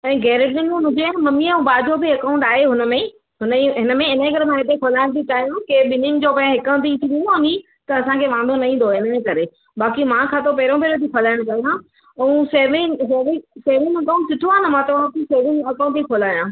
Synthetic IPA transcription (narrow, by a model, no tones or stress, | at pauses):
ɛ̃ːɡɛːɾeʈɗɪnũɦʊ̃d͡ʑemɐmiɛ̃ũbaːd͡ʑʱobiɐkaːʊ̃ɳʈaːɦeɦʊnə̆mẽ | ɦʊnəiɦɪnəmẽɪnək̬ɐɾemãːɦet̪ekʰoːlaːɪɽ̃t̪ʰit͡ɕaːɦijõkeɓɪnɪ̃ŋd͡ʑoːpɐ̃ɦɦɪkə̃t̪it̪ʰĩʋĩnoɦʊni | t̪ɐɐsãkʰeʋãːnd̪ʱonɐɦĩnd̪oɪnəekɐɾe | baːkimãkʰãːt̪ʰopɐɦɾõbʱeɾot̪ʰikʰoːlaːɪɽ̃kɐɦijã | ũseːʋɪ̃ŋseːʋɪ̃seːʋɪ̃ŋɐkaʊ̃ɳʈsɪt̪ʰuaːnɐmãt̪ɐʋ̤ãkiseːʋɪ̃ŋɐkaːʊ̃ɳʈt̪ikʰoːlaːjãː